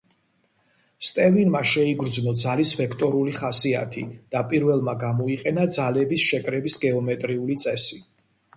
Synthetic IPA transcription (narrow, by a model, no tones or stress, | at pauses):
st̪ʼɛvinmaʃɛiɡɾd̪znɔd̪zalisvɛkʰt̪ʼɔɾuliχasia̰t̪ʰid̪̥apʼiɾvɛlˠmaɡamɔiqʼɛnad̪zalɛbisʃɛkʼɾɛbisɡɛɔmɛt̪ʼɾiulit̪sʼɛsi